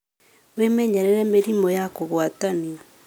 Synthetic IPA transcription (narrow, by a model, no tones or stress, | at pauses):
wemɛɲɛɾɛɾɛmeɾimɔjakoɣwataniɔ